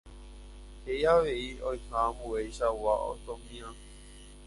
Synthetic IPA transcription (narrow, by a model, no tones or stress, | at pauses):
hejaʋe̞iõjhãːmbuejʃawao̰t̪õmĩã